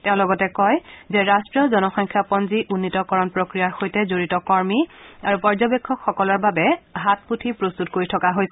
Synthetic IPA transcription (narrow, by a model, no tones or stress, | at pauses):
tɛʊ̃lɔɡɔtɛkɔjzɛɹastɹiɔzɔnɔxɔŋkʰjapɔnziʔunːitɔkɔɹɔnpɹokɹijaɹxojtɛzoɹitɔkɔɹmiaɹupɔɹzɔbekʰːɔkxɔkɔlɔɹbabɛɦat̚putʰipɹostutkoɹitʰɔkaɦojsɛ